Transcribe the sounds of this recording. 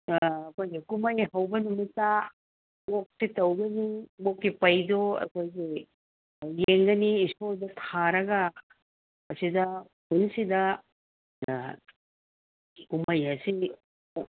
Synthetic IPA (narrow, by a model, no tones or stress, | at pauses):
ɐkojɡikumɐjɦɐwbɐnumita | ok̚sitɐwɡɐnibokːipɐjdoɐ̰kʰojɡi | jeŋɡɐniːsoldɐtʰaɾɐɡɐ | ɐsidɐ | punsidɐ | kumɐjɐsi